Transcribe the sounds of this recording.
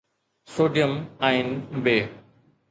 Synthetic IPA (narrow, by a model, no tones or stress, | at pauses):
soːɖijəmaːɪnbeː